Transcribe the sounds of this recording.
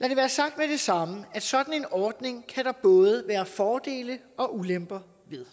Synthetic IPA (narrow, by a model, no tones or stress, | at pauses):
læɾ̥e̝ʋæːɐsɑ̈ɡ̥̚d̥med̥e̝sɑ̈məæd̥sɒ̽d̥n̩e̝nɒːd̥ne̝ŋkʰæd̥ɑ̈b̥ɔ̽ːðˠəʋæːɐfɒːd̥e̝̰ːlə | ɒ̽ʔulem̰b̥ɐ | ʋe̝ð̞ˠ